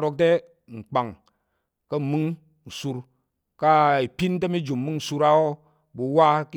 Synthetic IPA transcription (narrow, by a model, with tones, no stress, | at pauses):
ɾo˦k̚te˦ | ŋ͡m̩˨k͡pa˨ŋ | kə˦˨mɨ˦ŋ | n̩˨su˧ɾ | ka˦i˨pi˦nt̬e˦mi˦d͡ʒu˨mː˨ɨ˦ŋn̩˨su˧ɾa˦o˦ | bu˨wa˦k